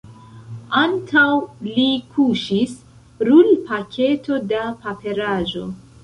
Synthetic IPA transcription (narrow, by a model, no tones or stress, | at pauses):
antʰawlikʰuʃis | ɾulpakʰe̞to̞dapape̞ɾaʒo̞